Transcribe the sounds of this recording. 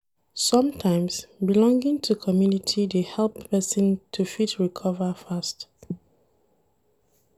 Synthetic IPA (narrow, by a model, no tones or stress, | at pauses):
sʌ̃mtʰãɪ̃msbilɔ̃ŋɡĩŋtʰukʰɔmjunitʰidehɛlˠpːɛsɔ̃ntʰufitɹikʰɔvəfast